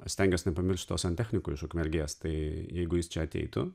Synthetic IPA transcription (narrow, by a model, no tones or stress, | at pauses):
sʲt̪ʲɛŋʲɡʲɛsnʲɛpɐmʲɪɾʲʃʲt͡ʃʲt̪ʲoːsɐnʲt̪ʲæːxʲnʲɪkoːɪʃkoːkʲuːmʲɛlʲɡʲeɛst̪ɐɪjɛɪɡʊjɪst͡ʃʲɛɐt̪ʲɛ̰ɪt̪ʊ